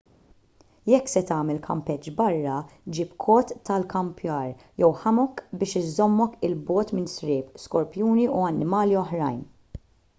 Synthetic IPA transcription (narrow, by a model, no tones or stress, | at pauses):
jɛkːsɛt̪ɐːmɛlkʰɐ̰mpɛt͡ʃːbɐrːɐd͡ʒiːpkʰɔːt̪ːɐlkɐmpʰjɐːɾ | jɛwħɐmɔkbɪːʃɪzːɔmːɔkɪlbɔːt̪mɪnsɾɪːpskɔɾpjuːniuɐnːɪmɐːliɔħɾɐjn